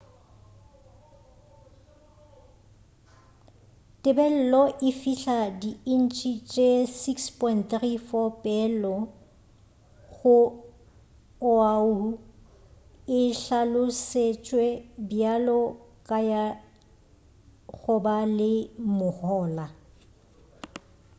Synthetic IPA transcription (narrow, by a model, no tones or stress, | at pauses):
tʼɪbɛl̩lɔʔɪfiɬadiɪn̩t͡ʃʼit͡ʃʼesikspʰʼɔɪntθrifɔpʼɛlɔ | ɣʊ | ʊau | ɪɬalʊset͡ʃʼwɛbjalɔkʼaja | ɣʊbalɪmʊhɔːla